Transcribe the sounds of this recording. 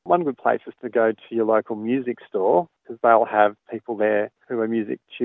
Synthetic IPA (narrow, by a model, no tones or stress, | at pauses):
wʌ̃nɡʊd̚pʰl̥ḛɪsɨz̥tʰɨɡoʊɾɨjə˞loʊkʰl̩ˠmjʉzɨkstɔɹkʰʌzðeɪlˠəv̥pʰipl̩ˠðə˞hʉə˞mjʉzɪ̰k̚t͡ʃʰʉ